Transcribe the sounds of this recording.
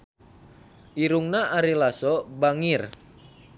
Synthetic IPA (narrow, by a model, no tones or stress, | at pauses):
ʔiɾuŋnaʔaɾilasɔbaŋir